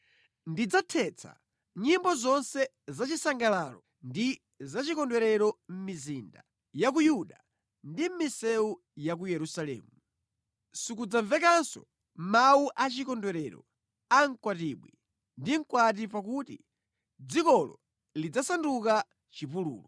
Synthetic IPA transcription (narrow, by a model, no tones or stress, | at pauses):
ndid͡zatʰɛt͡sʰa̰ | ɲimbɔzɔnsɛ | zat͡ʃisaŋɡalaːlɔ | ndi | zat͡ʃikɔndwɛɾɛɾɔm̩mizinda | jak̬ujuɗa | ndim̩misɛu | jak̬ujɛɾusalɛ̰ːmu | sukud͡zaɱvɛkansɔ̰ | mmauʔat͡ʃikɔndwɛɾɛɾɔ̰ | aŋkwatiɓwi | ndiŋ̩kwat̬ipak̬utḭ | d͡zikɔlɔ̰ | lid͡zasanduka | t͡ʃipulṵːlɔ